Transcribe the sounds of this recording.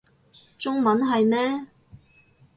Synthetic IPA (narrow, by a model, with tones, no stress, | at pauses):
t͡sʊ˥ŋmɐ˨˥nɦɐ˨jmɛː˥